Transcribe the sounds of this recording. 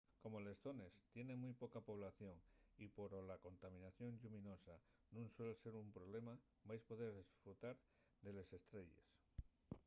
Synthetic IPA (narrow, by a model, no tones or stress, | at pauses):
ko̞mo̞le̞sθo̞ne̞st̪je̞ne̞mujpo̞kapo̞β̞laθjo̞ŋipo̞ɾolako̞nt̪amĩnaθjo̞ŋʎumino̞sanũŋswe̞lse̞ɾumpɾo̞β̞le̞ma | bajspo̞ðeɾðisfɾut̪aɾ | ðe̞le̞se̞st̪ɾe̞ʎe̞̰s